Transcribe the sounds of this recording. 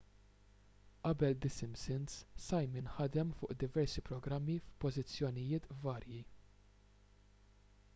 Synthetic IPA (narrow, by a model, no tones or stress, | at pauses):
ʔɐbɛld̪ɪsɪmsɪnssɐjmɪnħɐd̪ɛmfʊ̰ːʔd̪ɪvɛɾsipɾɔɡɾɐmːifpɔzɪt͡sːjɔnɪjɪːt̪vɐːɾji